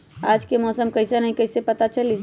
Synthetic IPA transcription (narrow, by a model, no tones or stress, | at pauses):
ad͡ʒkemɔsəmkəɪsenəɦĩkəɪsepət̪at͡ʃəli